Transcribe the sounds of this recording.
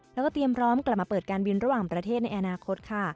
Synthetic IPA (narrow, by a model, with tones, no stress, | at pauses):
lɛ˦˥kɔː˥t̪i˧əmpʰɾɔː˦˥mkla˨˩p̚ma˧pɤː˨˩t̪̚kaː˧nbi˧nɾa˦˥waː˨˩ŋpɾa˧t̪ʰeː˥˩t̪̚na˧jʔa˧naː˧kʰo˦˥t̪̚kʰa˥˩